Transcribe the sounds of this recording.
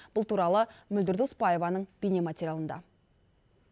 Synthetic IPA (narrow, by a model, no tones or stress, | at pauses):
b̥ʊlˠt̪uɾɑlˠəmʏld̪ɪɾd̪uspɑje̞vɑnəɴb̥ene̞mat̪ʲeɾjalˠənd̪ɑ̰